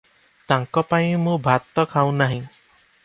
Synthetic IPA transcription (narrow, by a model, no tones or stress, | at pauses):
t̪aŋkɔpaĩmũbʱat̪ːɔkʰaw̃naɦĩ